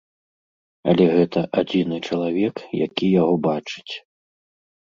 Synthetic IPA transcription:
ɐ̰lʲɛɣɛt̪ɐʔad͡zʲinɨt͡ʂɐlˠavʲɛkja̰kʲijaɣɔbat͡ʂɨ̥t͡sʲ

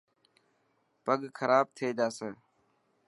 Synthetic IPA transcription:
pəɠkʰəɾaːb̚t̪ʰeːd͡ʒaːseː

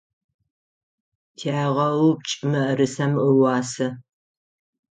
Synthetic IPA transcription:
tʰaːʁɐwp̚t͡ʃʼɪmɐɾɨsɐməwɑːsɐ

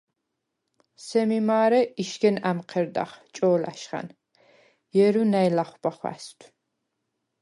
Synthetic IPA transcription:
sɛmimaːɾɛiʃkɛnæmqʰɛɾd̪a̰χt͡ʃʼɔːla̰ʃχa̰n | jɛɾunæjlaχʷbaχwæ̰st̪ʷʰ

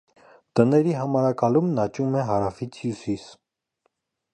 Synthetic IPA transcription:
t̪ənɛɾiɦɑmɑɾɑkɑlumnɑt͡ʃumɛɦɑɾɑfit͡sʰjusis

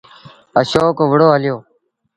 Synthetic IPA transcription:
əʃoːkoːʋəɽoːɦəljoː

